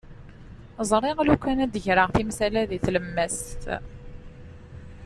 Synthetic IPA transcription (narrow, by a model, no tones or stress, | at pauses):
zˤɾˤɪʁlukʷːænæd̪əʝɾəʁfimsælæðiθləmːæst̪